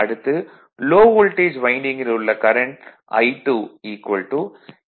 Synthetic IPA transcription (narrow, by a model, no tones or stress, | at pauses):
ɐɽɯt̪ːɯ | loːʋʊlʈeːd͡ʒʋɐɪɳɖɪŋɡɪlʊɭːɐkɐɾɐɳʈ | ɐ̰ɪʈːuːiːkʋɐlʈuː